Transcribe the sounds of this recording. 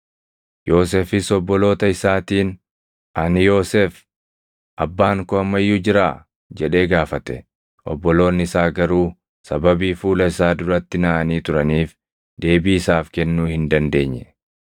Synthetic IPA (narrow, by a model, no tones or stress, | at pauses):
jo̞ːs̬eːfɪsɔbːɔlo̞ːt̪ɐɪsaːt̪iːn | ʔɐnɪjo̞ːseːf | ʔɐbːaːŋkɔɐmːɐjːud͡ʒɪɾaː | d͡ʒɛᶑe̞ːɡaːfɐt̪ɛ | ʔɔ̰bːɔlo̞ːnːɪɪsaːɡɐɾuː | sɐbɐbiːfuːlɐɪsaːd̪ʊɾɐt̪ːɪnɐʔɐniːt̪ʊɾɐniːf | d̪e̞ːbiːɪsaːfkɛnːuːhɪnd̪ɐnd̪e̞ːɲːɛ